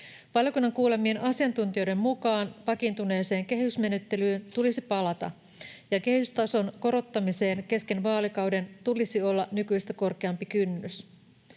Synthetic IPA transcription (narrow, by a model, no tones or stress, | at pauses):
ʋɑljokunːɑŋkuːle̞mie̞nʔɑsiɑnt̪unt̪io̞jde̞mmukɑːnʋɑkint̪une̞ːse̞ːŋk̟e̞hysme̞nyt̪ːe̞lyːnt̪ulisipɑlɑt̪ɑ̰ | jɑke̞hyst̪ɑso̞nko̞ɾo̞t̪ːɑmise̞ːnke̞ske̞nʋɑːlikɑwde̞nt̪ulisio̞lːɑnykyist̪æko̞rke̞ɑmpikynːys